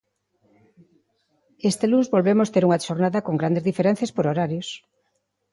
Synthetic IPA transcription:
est̪eluzβolβemost̪eɾuŋɐʃoɾnaðɐkoŋɡɾand̪ezðifeɾɛn̟θjaspoɾoɾaɾjos

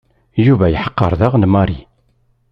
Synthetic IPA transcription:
juvæjəħə̥qːə̰ɾˤðaʁnmɑɾi

